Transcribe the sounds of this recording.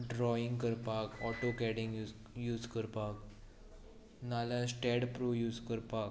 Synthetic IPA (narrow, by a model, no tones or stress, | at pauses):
ɖɾɔĩŋɡkəɾpakɔʈokɛɽĩŋɡ | juːd͡zkəɾpak | nalasʈɛɽpɾujuːd͡zkəɾpak